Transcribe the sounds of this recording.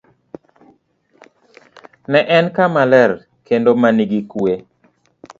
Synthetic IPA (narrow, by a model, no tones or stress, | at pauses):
nɛʔɛnkamalɛr | kendomaniɡikwe